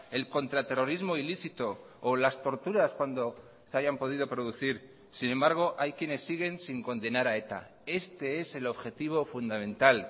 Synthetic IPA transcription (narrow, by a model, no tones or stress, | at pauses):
e̞lko̞nt̪ɾat̪e̞ro̞ɾizmo̞iliθit̪o̞ː | last̪o̞ɾt̪uɾaskwand̪o̞ | seaʝampo̞ð̞ið̞o̞pɾo̞ðuθiɾ | sinẽ̞mbaɾɣ̞o̞ʔajkje̞ne̞sːiɣ̞e̞nsiŋko̞nd̪e̞naɾae̞t̪a̰ | e̞st̪e̞e̞se̞lo̞βxe̞t̪iβ̞o̞fund̪amẽ̞nt̪al